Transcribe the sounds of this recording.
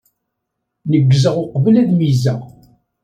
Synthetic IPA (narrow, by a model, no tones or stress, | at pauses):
nəɡːzəʁʊqvəlæðmizæ